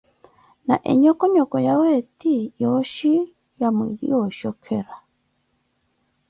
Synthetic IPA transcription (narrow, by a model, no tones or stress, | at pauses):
na̰ʔɛ̰ɲɔkɔɲɔkɔjawɛtijɔʃi | jamwiɾḭwɔʃɔkʰɛɾa